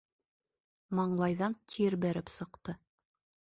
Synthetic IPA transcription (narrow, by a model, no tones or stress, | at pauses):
mɑɴlˠɑjðɑnt̪ʲʰiɾbæɾɘpsɤ̆qt̪ɤ